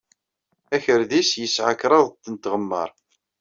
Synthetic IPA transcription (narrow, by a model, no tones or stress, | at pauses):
æçəɾðisjəsʕəkɾˤɑðˤt̪ːənt̪ʁəmːə̰ɾˤ